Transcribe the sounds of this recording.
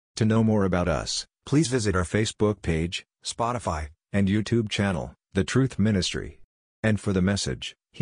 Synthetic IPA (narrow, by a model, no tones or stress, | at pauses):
tʰɨnoʊmɔɹəbaʊɾʌ̰s | pʰl̥izvɪzɨɾə˞feɪsb̥ʊk̚pʰeɪd̥ʒ̥ | spɑɾəfaɪ | ɨ̃njʉtʰʉb̚t͡ʃʰænl̩ˠ | ðɨtʰɹ̥ʉθmɪ̃ñɨstɹ̥ḭ | ɨ̃nfə˞ðɨmɛsɨ̰d̥ʒ̥